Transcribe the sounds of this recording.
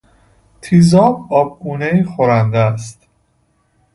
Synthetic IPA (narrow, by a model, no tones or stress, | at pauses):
t̪ʰiːzɒːbɒːb̚ɡuːneiːxoɾænd̪æst̪